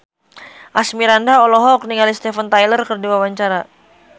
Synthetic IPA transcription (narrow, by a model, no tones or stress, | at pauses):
ʔasmiɾandaɔlɔɦɔk̚niŋalist̪ɛfənt̪ajlərkərdiwawaɲt͡ʃaɾa